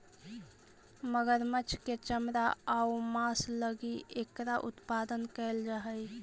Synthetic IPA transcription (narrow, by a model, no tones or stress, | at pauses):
məɡəɾmət͡ʃʰket͡ʃəmɾaaumasləɡiekɾaʔṵt̪pad̪ənkəld͡ʒaɦəj